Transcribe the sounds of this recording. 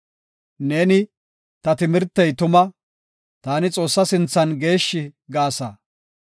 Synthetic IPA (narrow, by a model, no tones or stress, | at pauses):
neːnɪ | t̪ɐt̪ɪmɪɾt̪ːɛjt̪ʊmɐ | t̪aːnɪt͡sʼo̞ːsːɐsɪnt͡sːɐnɡe̞ːʃːɪɡaːsɐ